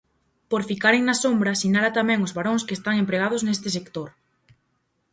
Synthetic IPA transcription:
poɾfikaɾeŋnasombɾasinaɾat̪amɛ̃ŋʊzβaɾoŋskest̪aŋempɾeɣ̞aðʊznest̪ɪs̬ekt̪oɾ

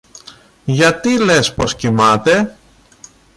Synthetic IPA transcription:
ʝɐt̪ile̞spo̞scimɐt̪e̞

